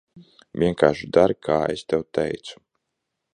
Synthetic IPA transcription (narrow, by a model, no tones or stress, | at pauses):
vʲiɛkaːʃud̪aɾkʰaːḛst̪ɛwt̪ɛjt̪su̥